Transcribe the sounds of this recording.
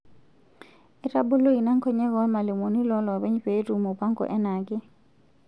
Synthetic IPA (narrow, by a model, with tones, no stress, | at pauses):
e˦ɾa˦bo˦lo˦i˨na˦ŋkɔ˦ɲɛ˦ɡɔ˦ma˨le˨mo˨ni˦lɔ˦lɔ˨bɛ˦ɲpe˨˦ɾu˨mo˨pa˦ŋkɔ̰˨ʔɛ˦na˨ɡɪ˦